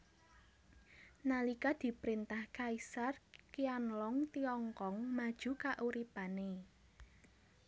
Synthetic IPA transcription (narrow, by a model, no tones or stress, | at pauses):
nalikad̪̥i̤pɾint̪ahkaisarkianlɔŋt̪iɔŋkɔŋmad̥ʒ̥ṳkaʔuɾipane